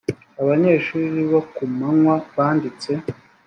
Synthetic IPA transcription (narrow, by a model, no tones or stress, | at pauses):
aβaɲe̞ːʃuːɾiβokumaŋwaβaːndit͡se̞